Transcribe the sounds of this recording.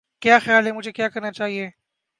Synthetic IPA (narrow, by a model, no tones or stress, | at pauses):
kjaxjalemut͡ʃekjakənat͡ʃaje